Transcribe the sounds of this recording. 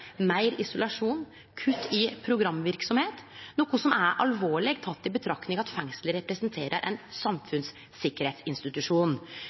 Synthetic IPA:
mæɪɾɪsʊlɑʂuːn | kʰʉt̪ʰːɪpʰɾʊɡɾɑmːʋɪɾksɔmheːt̪nuːkʊsɔmæɾʔɑ̰lʋoːɭɛɡt̪ʰɑt̪ːɪbət̪ʰɾɑknɪŋɑt̪fɛŋsləɾɛpɾəsnt̪ʰeːɾʔə̰ɾʔɛ̰nsɑmfʉns | sɪkːəɾheːt̪sɪnst̪ɪt̪ʉʂuːn

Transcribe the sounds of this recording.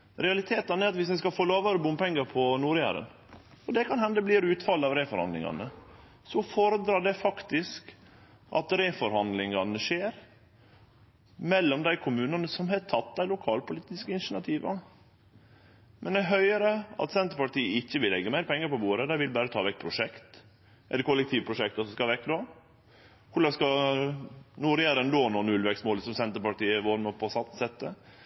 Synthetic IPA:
ɾɛɑlɪt̪ʰeːt̪ɑnæɾɑt̪ʋɪs̬d̪ɛɪskɑfoːloːʋɑɾəbʊmpɛŋːəɾpʰɔnuːɾjæ̰ːɾə̰n | ɔd̪ɛkʰɑnhɛnd̪əbliːɾʉːt̪fɑlːəɑʋɾeːfɔɾhɑ̰nd̪lɪ̰ŋɑ̰nə | sɔfoːɾəd̪ɾɑːɖɛfɑkt̪ɪsk | ʔɑ̰t̪ɾeːfɔɾhɑnd̪lɪŋɑnəʂeːɾ | mɛlːɔmd̪æɪkʰʊmʉːnɑnəsɔmɦɛt̪ʰɑt̪̚ːd̪æɪlʊkʰɑːlpʊliːt̪ɪskəɪnʃənɑt̪ʰiːʋɑ | mʔɛnd̪æɦœʏəɾəɑ̰t̪sɛnt̪əɾpɑʈiːəɪçːəʋɪlːɛɡːəmæɪɾəpʰɛŋːəɾpɔbuːɾəd̪æɪʋɪlbæːɾət̪ʰɑːʋɛk̚ːpʰɾʊʂɛkt̪ | ʔɛləɾkʰʊlːɛk̚t̪ʰiːʋpʰɾʊʂɛk̚t̪ɔsɔskɑʋɛkːd̪o | kʰʊɖɑskɑ | nuːɾæːɾənd̪oːnɔːnʉlʋɛksmoːlsɔmsɛnt̪əɾpɑʈiːəəʋoːɾməpʰɔsɑt̪ːsɛt̪ːə

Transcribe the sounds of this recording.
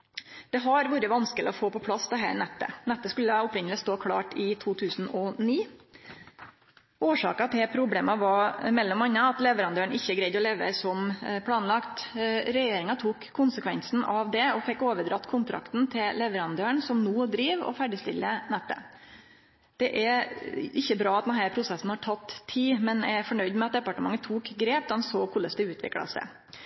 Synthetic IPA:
d̪̥ɛɦɑɾʋuːɾəʋɑnskəlɪ̰ɔfoːpɔpʰlɑsd̪ɛɦæ̰ːɾnɛt̪ːə̰nɛt̪ːəskʉlːəʊpɾɪɲːəlɪst̪oːkʰɽɑ̰ːʈɪt̪ʰuːt̪ʰʉːsn̩ɔniː | ʔoːʂɑ̰ːkɑt̪ʰɪpʰɾʊbleːmɑʋɑmɛlːɔmɑɲːɑɑt̪lɛʋəɾɑnd̪øːəɳɪçːəɡɾæɪd̪ɔleːʋə̰sɔmpʰlɑːnlɑkt̪ɾɛjeːɾɪŋɑt̪ʰuːkʰːʊnsəkʰʋɛnsn̩ɑʋd̪ɛɔfɛkːoːʋəd̪ɾɑt̪ːkʰʊnt̪ʰɾʔɑ̰kt̪nt̪ʰɪllɛʋəɾɑnd̪øːəɳsɔmnuːd̪ɾiːʋɔ̰fæɖɪst̪ɪ̰lːənɛt̪ːə̰ | d̪̥ɛʔæɾɪçːəbɾɑːɑt̪̚d̪ɛnɦæːɾpʰɾʊsɛsːn̩hɑʈʰɑt̪ːʰiːmɛnæfɔɳœʏd̪mɛɑt̪̚d̪ɛpɑʈəmɑ̰ŋːətt̪ʰuːkɡɾeːp̚d̪ɑnsoːkʰʊlːəsd̪ɛʉːt̪ʰʋɪ̰klɑ̰sd̪ɛ̰

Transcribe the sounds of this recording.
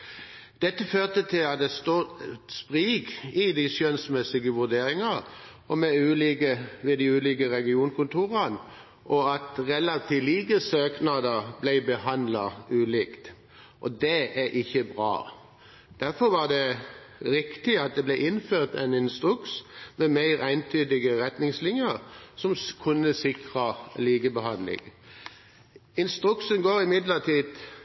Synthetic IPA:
d̪̥ɛt̪ːəføːʁt̪ət̪ʰɪlɑt̪̚d̪ɛst̪ospʁiːɡɪd̪ɪsjœnsmɛsɪɡəʋʉɾd̪eːɾɪŋɑ | ɔmɛʉːliːkəʋɪd̪ɪʉːliːkəʁɛɡɪuːnkʊnt̪uːʁɑn | ʔɔɑt̪ʁɛlɑt̪ʰɪliːɡəsøːknɑd̪əblæɪbəhɑnd̪lɑʉːliːkt̪ | ʔɔ̰d̪ɛæɾʔɪçːəbʁɑ̰ː | d̪̥æʁfɔʋɑd̪ɛ | ʁɪkt̪ɪɑt̪̚d̪ɛblæɪʔɪnføːʁt̪æ̰ɪnɪnst̪ʁʉksmɛmæɪʁæɪnt̪ʰyːd̪ɪɡəʁɛt̪nɪŋslɪŋjəɾsɔmkʰʊnːəsɪkʁɑliːɡəbəhɑnlɪ̰ŋ | ɪnst̪ʁʉkʃənɡoːɾɪmɪd̪ləʁt̪ʰiːd̪

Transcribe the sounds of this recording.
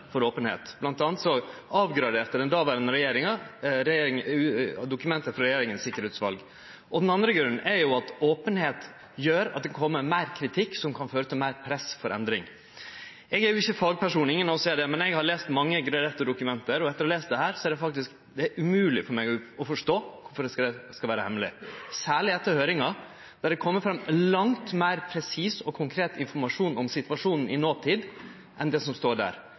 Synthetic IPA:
fɔɾoːpənhḛːt̪b̥lɑnt̪ɑːnət̪sɔɑːʋɡɾɑd̪eːɾt̪əɖ̪ɛnd̪ɑːʋæːɾənəɾɛjeːɾɪŋɑɾɛɪŋd̪ʊkʉmɛnt̪əfɾɔɾɛjeːɾɪŋənsɪkːəɾeːt̪sʋɑlɡ | ʔɔd̪nɑnd̪ɾəɡɾʉnːʔɛɾjʊɑt̪oːpənheːt̪ | jøːɾɑt̪̚d̪ɛkʰɔmːəmæɪɾkʰɾɪt̪ʰɪkːsɔmkʰɑnføːɾət̪ʰɪlmæɪɾpʰɾɛsfɔɾʔɛ̰nd̪ɾɪ̰ŋ | ɛɡæjʊɪçːəfɑːɡpæʂuːnɪŋːənɑʋsɛːd̪ɛmɛnɛɡhɑɾɭeːst̪mɑŋːəɡɾɑɾɛt̪ːəd̪ʊkʉmɛnt̪əɾɔɛt̪əɾɔleːst̪d̪ɛhæːɾsɔæɾɖ̪ɛfɑk̚t̪ɪsk | d̪ɛæɾʔʉmʉːlɪ̰fɔɾmɛɪɔfɔʂʈoːkʰʊɾfɔɖ̪ɛskɑlʋæːɾəhɛmːlɪ̰sæːɭɪɛt̪ːəɾhøːɾɪŋɑ | d̪̥æɖ̪ɛkʰɔmːəfɾɑmlɑŋt̪mæɪɾpʰɾɛsiːsɔkʰʊŋkʰɾeːt̪ɪnfɔɾmɑʂuːnɔmsɪt̪ʋɑʂuːnn̩ɪnoːt̪ʰiːd̪ | ʔɛnd̪ɛsɔmst̪oːɖæ̰ːɾ

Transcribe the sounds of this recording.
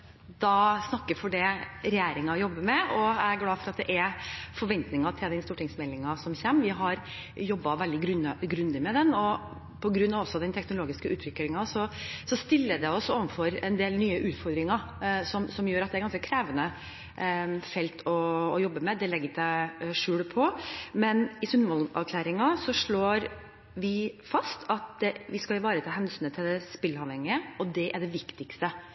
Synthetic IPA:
d̪̥ɑsnɑkːəɾfɔɖɛɾɛjeːɾɪŋɑjɔbːəmɛʔɔææɾɡlɑːfɔɾɑt̪̚d̪ɛʔæɾfɔɾʋɛnt̪nɪŋɑt̪ʰɪld̪ɛnst̪uːʈɪŋsmɛlːɪŋɑsɔmçeːmʋɪɦɑɾ | jɔbːɑʋɛld̪ɪɡ̪ɡɾʉnd̪ɪmɛd̪ɛnɔ | pʰɔɡɾʉnːɑʋɔsːɔd̪ɛnt̪ʰɛknʊloːɡɪskəʔʉːt̪ʋɪklɪŋɑsɔsɔst̪ɪlːəd̪ɛɔsoːʋənfɔɾɛnd̪eːlnyːəʔʉːt̪fɔɾd̪ɾɪŋɑ | sɔmsɔmjøːɾɑt̪̚d̪ɛæɾɡɑnskəkʰɾæːʋənə | fɛlt̪ʰɔːjɔbːəmɛd̪ɛlɛɡːət̪æʂʉːɽpʰɔmɛnɪsʉnʋɔlɑ̰ʋkʰlæːɾɪŋɑsɔʂɭoːɾ | ʋɪfɑst̪ʰɑt̪̚ɛʋɪskɑɪʋɑːɾət̪ʰɑlɦɛnsyːnət̪ʰɪld̪ɛspɪlːɑʋhɛŋːɪəɔd̪ɛʔæɖɛʋɪkt̪ɪkst̪ə

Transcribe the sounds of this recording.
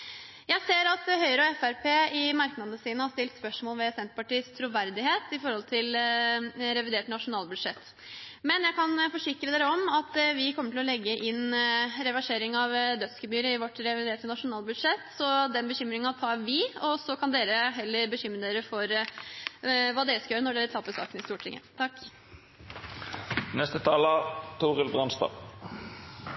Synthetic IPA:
jæɪseːɾɑt̪hœʏəɾɔɛfæɾpʰeːɪmɑɾknɑd̪nəsiːnəhɑst̪ɪlt̪spœʂmoːlʋɛsɛnt̪əpɑʈiːəst̪ʰɾuːʋæɾd̪ɪheːt̪ɪfɔɾhɔlt̪ʰɪl | ɾɛʋɪd̪eːʈnɑʂʊnɑːlbʉd̪ʂɛt̪ː | mɛnjæɪkɑnfɔʂɪkɾəd̪eːɾəɔmɑt̪ʋɪkʰɔmːəʈʰɪlɔlɛɡːəʔɪnɾɛʋæʂeːɾɪŋɑʋd̪œt̪skəbyːɾəɪʋɔʈːɾɛʋɪd̪eːɾʈ̪ʰɪnɑʂʊnɑːlbʉd̪ʂɛt̪ːsɔd̪ɛnbəɕʏmɾɪŋɑt̪ʰɑːɾʋɪɔsɔkʰɑnd̪eːɾəɦɛlːəɾbəçʏmːɾəd̪eːɾəfɔɾ | ʋɑːd̪eːɾəskɑjøːɾənɔɖeːɾət̪ʰɑpːəsɑ̰ːkənɪst̪uːʈʰɪ̰ŋːə̰t̪ʰɑkː | nɛst̪ət̪ʰɑːlət̪ʰuːʁəlbʁɑnst̪ɑ̰ː

